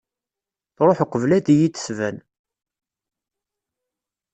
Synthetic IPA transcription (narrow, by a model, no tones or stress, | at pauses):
θɾˤoħqʷːəvlæd̪ijit̪ːə̥svæn